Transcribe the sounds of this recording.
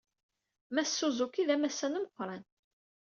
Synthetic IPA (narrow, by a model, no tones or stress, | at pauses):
mæssːuzˤʊkiðæmæsːænumqʷːɾˤɑn